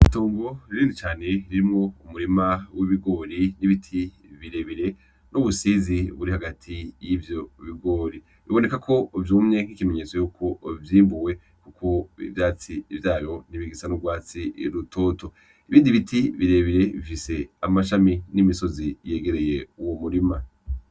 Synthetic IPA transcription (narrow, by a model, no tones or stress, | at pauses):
itoːŋɡo̞ɾiɾiːndit͡ʃaːne̞iɾiɾimŋo̞umuɾimawiβiɡo̞ɾiniβitʰi | βiɾe̞βiɾe̞ | nuβusiziβuɾihaɡatʰijivjo̞βiɡo̞ːɾi | βiβo̞ne̞kakʰo̞vjuːmɲe̞ŋ̥hikime̞ɲet͡so̞juːkʰo̞vjiːmbuwe̞ | kukʰo̞ḭvjaːt͡sivjaːβjo̞niβiɡisanuɡwaːt͡siɾutʰo̞ːtʰo̞ | iβiːndiβitʰiβiɾe̞βiɾe̞βḭfise̞amaʃaminimiso̞zije̞ɡe̞ɾe̞je̞uwomuɾima